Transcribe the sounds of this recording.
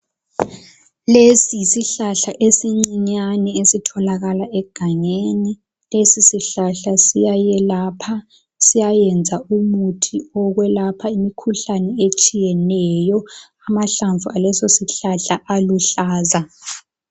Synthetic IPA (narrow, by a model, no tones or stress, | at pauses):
lesiisiɬaɬaʔesiŋ͡ǀiɲanɛesitʰɔlaɣalaɛɡ̥ʱaɲeni | lesisiɬaɬasijajɛlaːpʰa | sijajɛnd͡zʱaumutʰiɔɣwɛlapʰaimikʰuɬanɛet͡ʃʼijɛnɛjɔamaɬaɱvualɛsosiɬaɬaʔaluɬaːza